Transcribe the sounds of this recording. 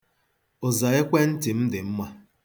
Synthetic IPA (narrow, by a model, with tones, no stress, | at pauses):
ʊ˨za˨e˦kʷe˦n̩˦tɪ˨m̩˦dɪ˨m̩˦ma˦